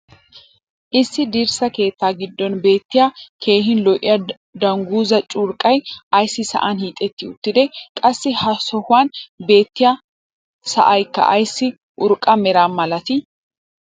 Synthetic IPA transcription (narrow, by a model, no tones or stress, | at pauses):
ʔɪsːɪd̪iːɾsɐke̞ːt̪ːaːɡɪd̪ːɔnbe̞ːt̪ːɪjakʰe̞ːɦɪnlɔʔɪ̰jɐ | d̪ɐŋɡuːzɐt͡ʃʼʊɾkʼːɐjɐjsːɪsɐ̰ʔanhiːt̪ʼːɛt̪ːɪʊt̪ːɪd̪ɛkʼɐsːɪhɐsɔhʊwaːnbe̞ːt̪ːɪja | sɐ̰ʔɐjkːɐ̰ʔɐ̰jsːɪ | ʔʊɾkʼɐmɛɾaːnmɐlɐt̪ɪ